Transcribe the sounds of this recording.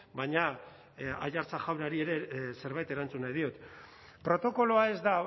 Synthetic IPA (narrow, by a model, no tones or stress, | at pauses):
baɲa | a̰jaɾt͡saxawɾaɾie̞ɾe̞se̞ɾβajt̪e̞ɾant͡sunajðio̞t̪ | pɾo̞t̪o̞ko̞lo̞ae̞zd̪a